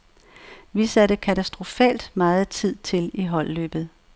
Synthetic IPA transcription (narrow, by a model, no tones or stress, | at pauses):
ʋisæɾəkʰæt͡sʰæsd̥ʁo̝fɛ̰ːld̥mɑ̈ːð̞̩ˠt͡sʰið̞̰ˠt͡sʰe̝liɦɒ̽l̰ːø̰ːb̥ð̞̩ˠ